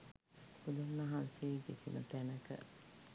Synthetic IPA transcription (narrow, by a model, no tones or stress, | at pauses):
ud̪unnəɦãnseɡesimət̪ænəkə̰